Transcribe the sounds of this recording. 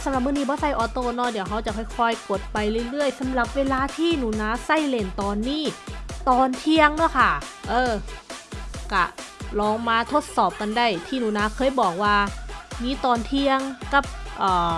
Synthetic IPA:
sa˧˦mɾa˨˩p̚mɯ˧˥˨niː˧˥bɔː˧˦sa˧˩jʔɔː˧˦t̪oː˧˩˨nɔ˧˩di˨˦əwɦa˧˩wt͡ɕa˨˩kʰɔː˧˥˩jkʰɔː˧jko˨˩t̪̚pa˧jlɯː˧˩˨jlɯ˥˩əjsa˨˧˦mɾa˨˩p̚weː˧laː˧t̪ʰiː˥˩nuː˨˩naː˧˥sa˧˥˩jle˧˩nt̪ɔː˧nːiː˧˥˩t̪ɔː˧nt̪ʰi˧əŋnɯ˧˥˩jkʰa˥˩ʔɤː˧ | ka̰˧˩lɔː˧ŋmaː˧t̪ʰo˦˧˥t̪̚sɔː˨˩p̚ka˧nda˧˩jt̪ʰiː˧˥˩nuː˨˩naː˧˥kʰɤː˧˥˩jbɔː˨˩k̚waː˧miː˧˥˦t̪ɔː˧nt̪ʰi˧əŋka˧˥˩p̚ʔɤː˨˩

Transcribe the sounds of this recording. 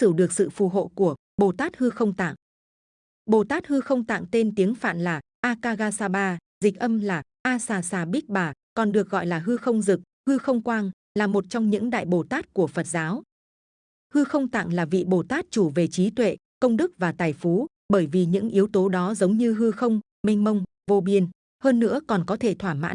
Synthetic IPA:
sɨ˧˩ɗɨ˨˩ək̚sɨ̰˧˨fu˨˩ɦo̰˧˨ku˧˩ə | ɓo˨˩t̪aː˦˥t̚hɨ˧xə˧wŋ͡mt̪a̰ː˧˨ŋ | ɓo˨˩t̪aː˦˥t̚hɨ˧xə˧wŋ͡mt̪a̰ː˧˨ŋt̪e˧nt̪i˨˦əŋfa̰ː˧˨nlaː˨˩ | ʔaː˧kaː˧ɣaː˧saː˧ɓaː˧zi˨˩k̟̚ʔə˧mlaː˨˩ʔaː˧saː˧˩saː˧˩ɓi˦˥k̚ɓaː˨˩ | kɔ˨˩nɗɨ˨˩ək̚ɣɔ̰˧˨jlaː˨˩ɦɨ˧xə˧wŋ͡mzɨ˨˩k̚hɨ˧xə˧wŋ͡mkwaː˧n | laː˨˩mo˨˩t̚t͡ɕɔ˧wŋ͡mɲɨ̰˧˥ŋɗa̰ː˧˨jɓo˨˩t̪aː˦˥t̚ku˧˩əfə˨˩t̚zaː˨˦w | hɨ˧xə˧wŋ͡mt̪a̰˧˨ŋlaː˨˩vḭ˧˨ɓo˨˩t̪aː˦˥t̚t͡ɕu˧˩ve˨˩t͡ɕi˨˦t̪wḛ˧˨ | kə˧wŋ͡mɗɨ˦˥k̚vaː˨˩t̪aː˨˩jfu˨˦ | ɓəː˧˩jvi˨˩ɲɨ̰˧˥ŋʔi˨˦əwt̪o˨˦ɗɔ˨˦zə˨˦wŋ͡mɲɨ˧ɦɨ˧xə˧wŋ͡m | mi˧ŋ̟mə˧wŋ͡m | vo˧ɓi˧ən | həː˧nːɨ̰˧˥əkɔ˨˩nkɔ˨˦t̪ʰe˧˩t̪ʰwaː˧˩ma̰ː˧˥n

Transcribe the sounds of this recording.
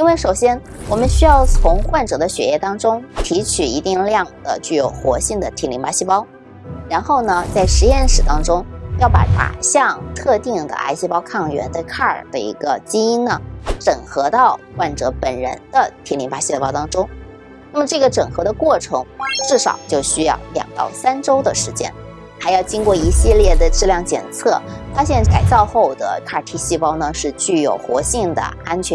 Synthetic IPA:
i˥nwe˥˩ɪʂo˨˩ʊɕjɛ˥n | wɔ˨˩mə˦nɕy˥jɑ˥˩ʊt͡sʰʊ˧˥ŋxwa˥˩nʈ͡ʂɤ˨˩d̪ə˦ɕɥɛ̰˨˧˥jɛ˥˧t̪ɑ˥ŋʈ͡ʂʊ˥ŋt̪ʰi˧˥t͡ɕʰy˨˩i˧˥t̪i˥˧ŋljɑ˥˩ŋd̪̥ə̰˩t͡ɕy˥˩jo˨˩ʊxwɔ˧˥ɕi˥˩ŋd̪ə˩t̪ʰi˧˥nli˧˥ŋpa˧˥ɕi˥˧˩pɑ˥ʊ | ɻa˧˥nxo˥˩ʊnə˩t͡sa˥˩ɪʂɻ̩˧˥jɛ˥˩nʂɻ̩˨˩t̪ɑ˥ŋʈ͡ʂʊ˥ŋjɑ˥˩ʊpa̰˧˥t̪a̰˨˩ɕjɑ˥˧ŋt̪ʰɤ˥˧t̪i˥˩ŋd̪ə̰˩ʔa̰˥ɪɕi˥˩pɑ˥ʊkʰɑ˥˩ŋɥɛ̰˧˥nt̪ə˧kʰa˥˩ə̰˞˨˩d̪ə̰˦ḭ˧˥ɡə˧t͡ɕi˥i˥nnə˨˩ʈ͡ʂɤ˨˩ŋxɤ˧˥t̪ɑ˥˧ʊkwa˥˩nʈ͡ʂɤ˧˥pə˨˩nɻə̰˧˥nd̪ə˧t̪ʰjɛ˧˥nli˧˥npa˨˩ɕi˥˧pɑ˥ʊt̪ɑ˥ŋʈ͡ʂʊ˥ŋ | na˥˩mə˩ʈ͡ʂɤ˥˩ɡə˩ʈ͡ʂɤ˨˩ŋxɤ˧˥d̪ə˧kwɔ˥˩ʈ͡ʂʰɤ˧˥ŋʈ͡ʂɻ̩˥˩ʂɑ̰˨˩ʊt͡ɕjo˥˩ʊɕy˥jɑ̰˥˩ʊljɑ̰˨˩ŋt̪ɑ̰˥˩ʊsa˥nʈ͡ʂo˥ʊd̪ə˨ʂɻ̩˧˥t͡ɕjɛ̰˥n | xa˧˥ɪjɑ˥˩ʊt͡ɕi˥ŋkwɔ˥˩i˧˥ɕi˥˧ljɛ˥˩d̪ə˩ʈ͡ʂɻ̩˥˧ljɑ˥˩ŋt͡ɕjɛ̰˨˩nt͡sʰɤ˥˩fa˥ɕ̬jɛ˥˧nka˨˩ɪt͡sɑ˥˧ʊxo˥˩ʊd̪ə̰˩kʰa˥˩t̪ʰi˥ɕi˥˧pɑ˥ʊnə˧ʂɻ̩˥˧t͡ɕy˥˩jo˨˩ʊxwɔ˧˥ɕi˥˩ŋd̪ə̰˩a˥nt͡ɕʰɥɛ˧˥

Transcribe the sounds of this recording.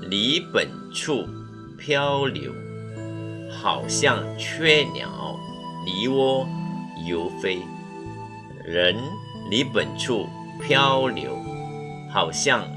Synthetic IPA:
li˨˥˦pə˨˩n | ʈ͡ʂʰu˥˩ | pʰjɑ˥ʊljo̰˧˥ʊ | xɑ˨˩ʊɕjɑ˥˩ŋt͡ɕʰɥɛ˥˩njɑ̰˨˩˦ʊ | li˧˥˦wɔ˥jo˧˥ʊfe˥ɪ | ɻə˧˦n | li˨˦pə˨˩nʈ͡ʂʰu˥˩ | pʰjɑ˥ʊljo̰˧˦ʊ | xɑ˨˩ʊɕjɑ˥˩ŋ

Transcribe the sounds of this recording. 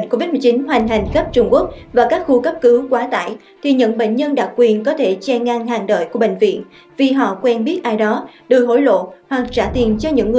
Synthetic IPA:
ŋko˧vi˦˥t̚mɨ˨˩t͡ɕi˨˦nhwa˨˩jŋ̟ɦa˨˩jŋ̟xə˦˥p̚t͡ɕʊ˧ŋ͡mku˦˥ək̚vaː˨˩kaː˦˥k̚xu˧kə˦˥p̚kɨ˨˦kwaː˨˦t̪a̰ː˧˨j | t̪ʰi˨˩ɲɨ̰˧˥ŋɓḛ˧˨ŋ̟ɲə˧nɗa˨˩k̚kːwi˨˩ənkɔ˨˦t̪ʰe˧˩t͡ɕɛ˧ŋaː˧ŋhaː˨˩ŋɗə̰ː˧˨jku˧˩əɓḛ˧˨ŋ̟vḭ˧˨ən | vi˨˩ɦɔ̰˧˨kwɛ˧nɓi˦˥ət̚ʔaː˧jɗɔ˨˦ɗɨ˨˩ɦo̰˧˥˩jlo̰˧˨hwaː˨˩k̚t͡ɕaː˧˩t̪i˨˩ənt͡ɕɔ˧ɲɨ̰˧˥ŋːɨ˨˩

